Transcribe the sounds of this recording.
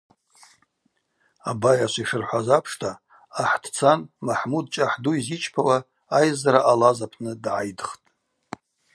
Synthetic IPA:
a̰bajaʃʷiʂɨrħʷazapʰʂtʰaː | ħd̥ʰt͡sʰanmaħmud̚t͡ʃʼaħduizit͡ʃʼpʰawa | ajzaɾaʔalazapʰnɨdʕajdχtʼ

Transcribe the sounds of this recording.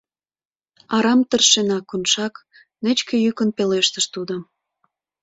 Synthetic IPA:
ɑɾɑmt̪ərʃenɑkunʃɑk | nət͡ɕkĕjykənpeleʃt̪əʃt̪ud̪o

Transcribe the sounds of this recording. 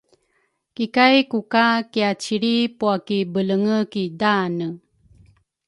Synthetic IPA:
kikajkukakiat͡ɕiɾipuakibələŋəkidanə

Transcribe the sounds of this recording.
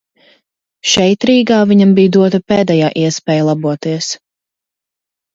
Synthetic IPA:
ʃɛjt̪ɾiːɡaːviɲambijd̪uɔt̪apɛːd̪ɛjaːʔiɛspɛːjlˠabuɔt̪iɛs

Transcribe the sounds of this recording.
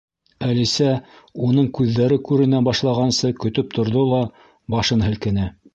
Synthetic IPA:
ælisæ | unɤɴkʉðːæɾɘkʉɾɘ̆nænbɑʃlˠɑʁɑnsɤkɵ̆t̪ɵp̚t̪ʰŏɾðolˠɑ | bɑʃɤnɦɘ̆lkɘ̆nɘ

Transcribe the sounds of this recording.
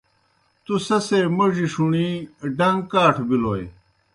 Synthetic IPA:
t̪usɐseːmɐʐiʂuɳiɖɐŋɡkaːʈʰbiloːj

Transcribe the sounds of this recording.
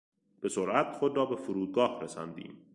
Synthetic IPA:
b̥e̞soɾʔæt̪xod̪ɾɒːbe̞fuɾuːd̪̚ɡɒːhɾesɒ̰nd̪ḭːm

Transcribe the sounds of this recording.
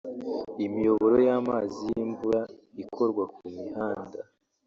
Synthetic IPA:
imijo̞βo̞ɾojaːmaːzijimbuɾaikʰo̞ɾɡwakumihaːnda

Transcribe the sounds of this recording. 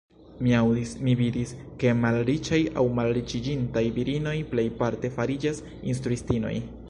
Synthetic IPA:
miawimividiske̞malɾit͡ʃaja̰wmalɾit͡ʃid͡ʒintajviɾino̞jple̞jpaɾte̞faɾid͡ʒas | ins̬tɾuistino̞̰j

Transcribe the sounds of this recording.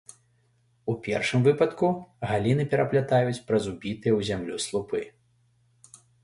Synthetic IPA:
upʲɛ̰rʂɨmvɨpɐt̪kuɣalʲinɨpʲɛɾɐplʲat̪ajut͡sʲpɾɐzubʲit̪ɨjɛwzʲamlʲuslˠupɨ

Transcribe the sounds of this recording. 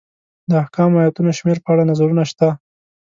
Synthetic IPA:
d̪əahkɑmajat̪unoʃmeɾpəaɽanazaɾunaʃt̪a

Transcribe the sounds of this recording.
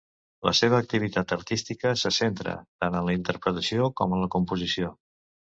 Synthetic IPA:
lə̰seβ̞əːk̚t̪iβ̞it̪at̪əɾt̪ist̪ikəsəsent̪ɾə̰t̪anənləint̪əɾpɾət̪əsiokɔmənləkumpuzisio

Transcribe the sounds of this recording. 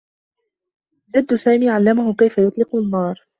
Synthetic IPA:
d͡ʒad̪ːʊsaːmiːʕalːamahʊkajfajʊt̪ˤlɪqʊnːɑːɾˤ

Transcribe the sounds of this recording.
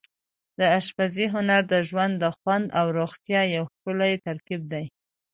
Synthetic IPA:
d̪əaʃpaziɦʊnaɾd̪əʒwand̪ːəxwand̪awɾoɣt̪jɑjawxkəlajt̪aɾkib̚d̪aj

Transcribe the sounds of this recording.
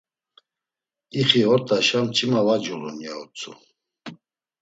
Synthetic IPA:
iχiɔɾt̪ʼaʃamt͡ʃʰʼimavad͡ʒulṵnjaɔt͡sʰʼṵ

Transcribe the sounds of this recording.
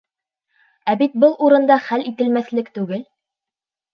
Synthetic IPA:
æβit̪̚bɤlˠuɾɤ̆nd̪ɑχælit̪ɘ̆lmæθlɘkt̪ʉɡɘl

